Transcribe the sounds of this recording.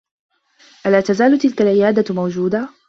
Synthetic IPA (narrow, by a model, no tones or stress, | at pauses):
ʔalaːt̪azaːlʊt̪ɪlkalʕɪjaːd̪amawd͡ʒuːd̪a